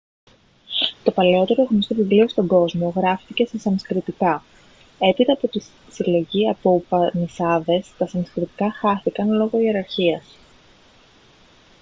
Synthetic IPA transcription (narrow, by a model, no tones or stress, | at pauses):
t̪o̞pɐleo̞t̪e̞ɾoɣɐnost̪ovivlio̞st̪o̞ŋɡo̞zmo̞ɣɾɐftice̞sesɐmskɾit̪ikɐ | e̞pit̪ɐːpo̞t̪i | silo̞ʝiɐpopɐnisɐðe̞st̪ɐsɐmskɾit̪i̥kɐxɐθikɐnlo̞ɣo̞ie̞ɾɐɾçiɐs